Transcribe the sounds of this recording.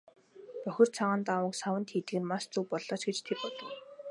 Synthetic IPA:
pœxʲɪ̆r̥t͡sʰaʁaːnt̪awə̆ksawə̆nt̪xet̪ɘ̆ɣɘ̆nmaʃt͡suwpɔɮɔːt͡ɕɡet͡ɕt̪ʰerpɔɮɞ̆w

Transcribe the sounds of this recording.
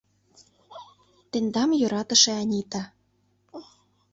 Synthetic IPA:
t̪end̪ɑmjŏɾɑt̪ə̆ʃĕɑnʲit̪ɑ

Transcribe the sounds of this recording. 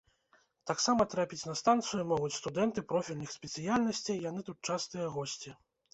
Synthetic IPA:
t̪aksamɐt̪ɾapʲit͡sʲnɐst̪ant̪sɨjumɔɣut͡sʲst̪ud̪ɛnt̪ɨpɾɔfʲilʲnɨxsʲpʲɛt̪sɨjalʲnɐsʲt͡sʲijjanɨt̪ut̪̚t͡ʂast̪ɨjɐɣɔsʲt͡sʲi

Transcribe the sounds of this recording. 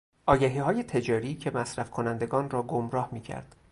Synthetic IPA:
ʔɒːjæɦiːɦɒːje̞t̪ʰe̞d͡ʒɒːɾiːcʰe̞mæsɾæfkʰonænd̪e̞ɡɒːnrɒːɡomɾɒːhmiːcʰæ̰ɾd̪̥

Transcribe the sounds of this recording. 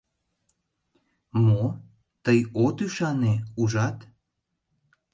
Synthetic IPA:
mo | t̪əjot̪yʃɑneuʒɑt̪

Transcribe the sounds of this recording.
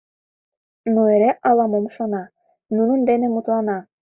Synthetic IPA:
nuĕɾæʔɑlˠɑmomʃɑnɑ | nunɤnd̪ænɘmut̪lˠɑnɑ

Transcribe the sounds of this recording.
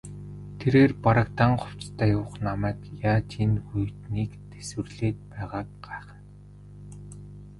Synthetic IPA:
t̪ʰeɾeːrpaɾə̆kt̪aɴχʊw̥t͡st̪ʰæːjʊːχnamæːkjaːt͡ɕʰinxujt̪niːkt̪ʰeswɘ̆rɮeːt̪̚pæːʁaːk̚ɢaːχə̆n

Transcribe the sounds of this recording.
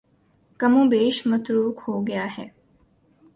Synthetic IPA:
kɐmubeːʃmɐt̪ɾuːkhoːɡjaːhe

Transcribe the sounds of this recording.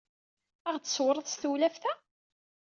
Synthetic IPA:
æʁt͡s̪ə̥swɾˤəðˤsθulæfθæ

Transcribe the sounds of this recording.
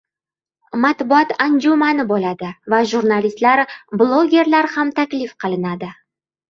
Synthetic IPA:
mat̪bʊɒt̪and͡ʒumanɪbolad̪ɪvaʒuɾnalist̪laɾblˠoɡʲe̞ɾlaɾhamt̪ʰakʲlɪfqʰɨlˠɪnad̪ɪ

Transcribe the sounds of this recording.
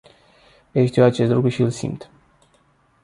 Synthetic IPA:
eʃt̪iwat͡ʃe̞st̪lukɾuʃiɨlsḭmt̪

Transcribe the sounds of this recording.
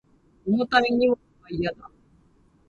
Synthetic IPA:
onot̪amiɲim | aijad̪a

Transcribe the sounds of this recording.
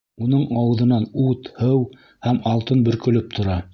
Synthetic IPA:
unɤɴɑwɤ̆ðɤ̆nɑnut̪hɤw | hæmɑlˠt̪ɤnbɵ̆ɾkɵ̆lɵp̚t̪ʰŏɾɑ

